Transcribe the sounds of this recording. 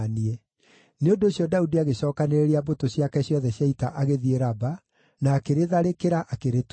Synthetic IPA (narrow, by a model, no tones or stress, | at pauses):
niɛ | neondoːɕjɔdaudiaɣeɕɔːkaneɾeɾeabotoɕjakɛɕjɔðɛɕjaitaʔaɣeðieɾaba | naːkeɾeðaɾekeɾaʔakeɾet